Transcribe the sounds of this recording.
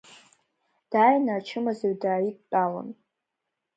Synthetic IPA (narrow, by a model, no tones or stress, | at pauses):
d̥aːjnaːt͡ʃʰɨmazaɥdaːitʼt͡pʼalo̰n